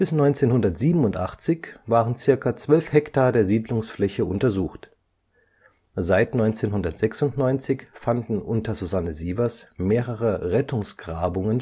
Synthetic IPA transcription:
b̥ɪsnɔʏnt͡seːnhʊndɐtz̥iːbm̩ʊntʔa̰χt͡sɪçv̥aːʁənt͡sɪɐkɐt͡sv̥œlfhɛktaːɐdeːɐziːdlʊŋsflɛçəʔʊntɐzuːxt | zaɪtnɔʏnt͡seːnɦʊndɐtz̥ɛksʊntnɔʏnt͡sɪçfandn̩ʔʊntɐzuzanəziːvɐsmeːʁəʁəʁɛtʊŋsɡ̥ʁaːbʊŋən

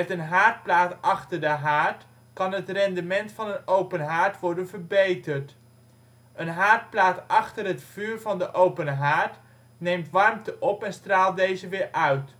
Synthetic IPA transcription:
ɛtənɦaːɹt̚plaːtʔɑχtəɹdəɦaːɹt | kɑnɦətrɛndəmɛntfɑnənowpənɦaːɹtʋɔɹdənvəɹbejtəɹt | ənɦaːɹt̚plaːtʔɑχtərɦətfyːɹvɑndəʔowpənɦaːɹt | nejmtʋɑrmtəʔɔpɛnstraːl̚ˠdejzəʋɪːɹʔœɥt

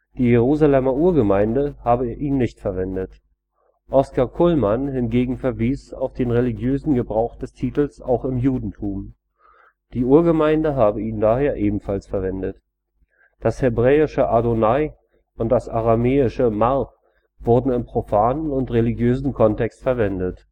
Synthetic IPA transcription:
d̥iːjeʁuːzalɛmɐʔuːɐɡəmaɪndəhaːbəʔiːnːɪçtfɛɐvɛndət | ʔɔskakʰʊlmanhɪnɡeːɡŋ̩fɛɐviːsa̰ʊfd̥eːnʁeliɡjøːzn̩ɡəbʁaʊxd̥ɛstʰiːtl̩sa̰ʊxɪmjuːdn̩tʰuːm | d̥iːuːɐɡəmaɪndəɦaːbəiːndaːheːɐʔeːbm̩falsfɛɐvɛndət | d̥ashɛbʁɛːɪʃəʔadonaɪ | ʔʊnt̚d̥asʔaʁameːɪʃəmaʁk | v̥ʊɐdn̩ɪmpʁ̥ofaːnənʊntʁeliɡjøːzn̩kʰɔntɛkstfɛɐvɛndət

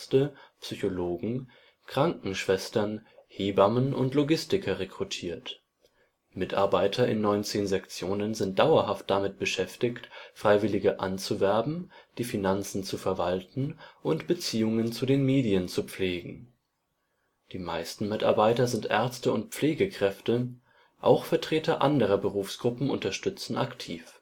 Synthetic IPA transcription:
təpsyçoloːɡŋ̩ | kʁ̥aŋkŋ̩ʃv̥ɛstɐnheːbamənʔʊ̰ntloɡɪstɪkʰɐʁekʁ̥utʰiːɐt | mɪta̰ɐbaɪtʰɐɪ̰nːɔʏnt͡seːnzɛkt͡sjoːnənzɪnt̚d̥aʊɐɦaft̚d̥amɪt̚b̥əʃɛftɪçtfʁ̥aɪvɪlɪɡəʔa̰nt͡suvɛɐbm̩d̥iːfinant͡sn̩t͡sufɛɐvaltn̩ʔʊntb̥ət͡siːʊŋənt͡sudeːnmeːdiənt͡sup͡fleːɡŋ̩ | d̥iːmaɪstn̩mɪta̰ɐbaɪtɐzɪntʔɛ̰ɐt͡stəʊntp͡fleːɡəkʁ̥ɛftə | ʔa̰ʊxfɛɐtʁ̥eːtɐʔandəʁ̞ɐbəʁuːfsɡ̥ʁʊpm̩ʔʊ̰ntɐʃtʏt͡sn̩ʔa̰ktʰiːf

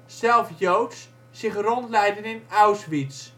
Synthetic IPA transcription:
sɛlˠfjowts | sɪχrɔntlɛjdənɪnœwsʋits

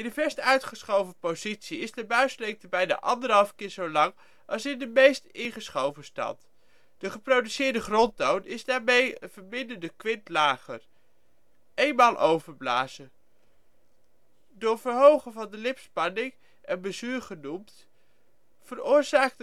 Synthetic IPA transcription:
ɪndəvɛɹstœɥtχəsχowvəpozitsiɪsdəbœɥslek̚təbɛjna̰ːʔɑndəɾɦɑlˠfkɪːɹzowlɑŋ | ʔɑlˠsɪndəmejstɪnχəsχowvəstɑ̰nt | d̥əχəprowdysɪːɹdəχrɔntownɪzdaːɹmejə̰nvəɹmɪndəndəkʋɪntlaːχər | ejnmaːlˠʔowvəɹbla̰ːzə | dʊːɹvəɹɦowχəvɑndəlɪpspɑnɪŋ | ɛnbəzyːɹχənumt | fərʊːɹzaːk̚

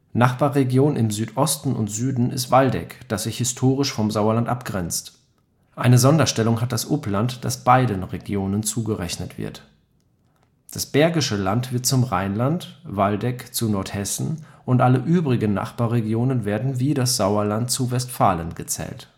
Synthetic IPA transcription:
naχb̥aːʁeɡjoːnɪmzyːtʔɔstn̩ʊ̰ntz̥yːdn̩ɪ̰stv̥aldɛ̰kd̥asz̥ɪçhɪstʰoːʁɪʃfɔmzaʊɐlantʔapɡ̥ʁɛnt͡st | ʔaɪnəzɔndɐʃtɛlʊŋɦat̚d̥asʔʊplantd̥a̰sb̥aɪdənʁeɡjoːnənt͡suːɡəʁɛçnətv̥ɪ̰ɐt | d̥asb̥ɛɐɡɪʃəlantv̥ɪɐt̚t͡sʊmʁa̰ɪnlantvaldɛkt͡sunɔɐthɛsn̩ʔʊntʔaləʔyːbʁɪɡən̩nːa̰χb̥aːʁeɡjoːnənveːɐdn̩viːdasz̥aʊɐlantt͡suvɛstfaːlənɡət͡sɛ̰ːlt

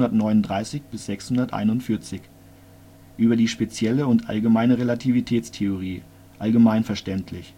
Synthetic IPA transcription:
dɐtnɔʏnʊndʁaɪsɪçb̥ɪsz̥ɛkshʊndɐtʔa̰ɪnʊntfɪɐt͡sɪç | ʔyːbɐdiːʃpet͡sjɛləʊntʔa̰lɡəmaɪnəʁelatʰivitʰɛːt͡stʰeoʁ̞iː | ʔalɡəmaɪnfɛɐʃtɛntʰlɪç

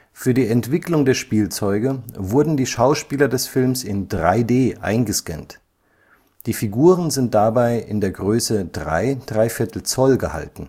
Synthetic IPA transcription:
fyːɐdiːɛntv̥ɪklʊŋdeːɐʃpiːlt͡sɔʏɡəvʊɐdn̩diːʃaʊʃpiːlɐdɛsfɪlmsɪndʁa̰ɪdeːʔa̰ɪnɡəskɛ̰nt | d̥iːfiɡuːʁənzɪnt̚d̥abaɪʔɪ̰ndeːɐɡʁøːsəd̥ʁa̰ɪd̥ʁaɪfɪɐtʰl̩t͡sɔlɡəha̰ltn̩

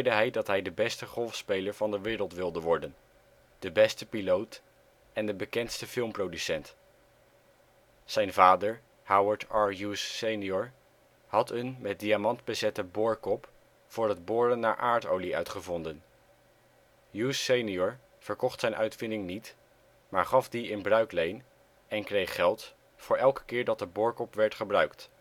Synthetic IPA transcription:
ɪɹdəɦɛjdɑtɦɛjdəbɛstəχɔlˠfspejləɹvɑndəʋɪːɾəlˠtʋɪlˠdəʋɔɹdən | d̥əbɛstəpilowt | ɛndəbəkɛntstəfɪlˠmprowdysɛnt | sɛjnvaːdəɹ | hawəɹtɑɹjusːejniɔɹ | hɑtənmɛt̚diamɑntbəzɛtəbʊːɹkɔp | fʊːɹəd̚bʊːɹənːaːɹʔaːɹtowliœ̰ɥtχəvɔndən | jusejniɔɹ | v̥əɹkɔχtsɛjnʔœɥtfɪndɪŋnit | maːɹχɑfdiɪnbrœɥklejn | ɛnkrejχχɛlˠt | fʊːɹʔɛlˠkə̥kɪːɹdɑt̚dəbʊːɹkɔpʋɛɹtχəbrœɥkt

